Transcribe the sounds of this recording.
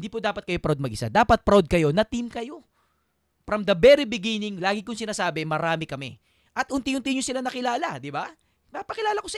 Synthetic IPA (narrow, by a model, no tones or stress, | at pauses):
ɪnd̪iːpʊd̪aːpɐt̪̚kɐjo̞pɾawd̪̚mɐɡʔɪsa̰d̪aːpɐt̪̚pɾawd̪̚kɐjo̞nɐt̪imkɐjo̞ | pɾɐmd̪ɐbɛɾɪbɪɡinɪŋlaːɡɪkʊŋsɪnaːsaːbɪmɐɾaːmɪkɐmɛ | ʔɐt̪ʔʊnt̪iʊnt̪iɲʊsɪlanɐkɪlaːlɐd̪ɪba | p̪apɐkɪlaːlɐkos